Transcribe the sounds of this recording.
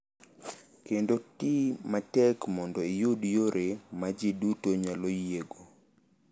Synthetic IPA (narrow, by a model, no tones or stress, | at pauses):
kendotimatɛkmɔndɔɪjodjoɾʔemad͡ʒidutoɲalojeɡo